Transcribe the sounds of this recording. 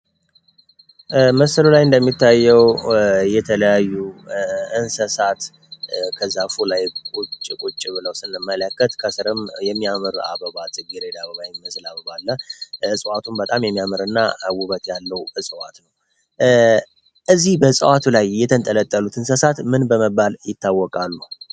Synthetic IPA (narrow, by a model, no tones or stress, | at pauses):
məsəlulajɨnd̪əmːit̪ʰːajːɛwjɛt̪ʰələjajːu | ɨnsəsat̪ | kʰəzːafulajkʼut͡ʃʼkʼut͡ʃʼːɪβɨləwsɨnːɨmːələkːət̪kʰəsɨɾɨmjɛmːiamɨɾa̰bəβazʼɨɡiɾed̪aβəβajiməslaβəβalːəɨsʼəwat̪ʰumbət̪ʼamjɛmːijamɨɾɨnːaəwuβət̪jalːəwɨsʼəwat̪nəw | ʔɨzihbəsʼəwat̪ʰulajːɛt̪ʰənt̪ʼələt̪ʼːəlut̪ʰɨnsəsat̪mɨnbəməbaljɪt̪ʰːawːɔkʼalːu